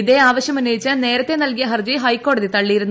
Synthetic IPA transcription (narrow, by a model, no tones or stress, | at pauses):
iðeaːʋɐɕjɐmunːɐjit͡ɕːɐne̞ːɾɐt̪ːe̞nɐlkijɐɦɐrd͡ʑiɦɐjkːo̞ːɽɐðit̪ɐɭːijiɾunː